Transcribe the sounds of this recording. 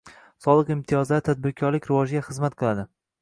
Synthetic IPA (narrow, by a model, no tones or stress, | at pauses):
sɒlˠɨqɪmt̪ʰijɒzlaɾt̪ʰad̪̚bɪɾkʲʰɒɾlɪkʲɾɪvɒd͡ʒɡʲaχɨzmat̪̚qʰɨlˠad̪ɪ